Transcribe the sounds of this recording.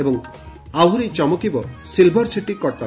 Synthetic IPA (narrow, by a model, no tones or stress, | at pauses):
ebɔŋ | awɦuɾit͡ʃɔmɔkibɔsilbʱɔɾsiʈikɔʈɔ